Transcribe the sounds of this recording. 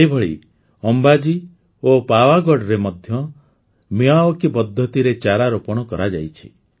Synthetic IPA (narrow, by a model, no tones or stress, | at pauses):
eibʱɔɭḭ | ɔmbad͡ʒi | opawaɡɔɖɾemɔd̪ʱjɔ | miaokibɔd̪ʱːjɔt̪iɾet͡ʃaɾaɾopɔɽ̃ɔkɔɾad͡ʒa̰jt͡ʃʰi̥̰